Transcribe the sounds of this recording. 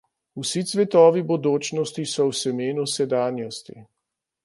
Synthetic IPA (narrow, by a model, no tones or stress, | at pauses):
usit̪sʋɛt̪ɔːʋibɔd̪oːt͡ʃnɔst̪isɔwsɛmeːnusɛd̪aːnjɔst̪ḭ